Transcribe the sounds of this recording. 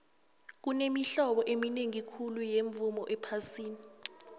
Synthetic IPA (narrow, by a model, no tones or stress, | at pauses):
k̬unemiɬɔɓɔʔemineŋikʰulujeɱvumɔʔɛpʰasiːni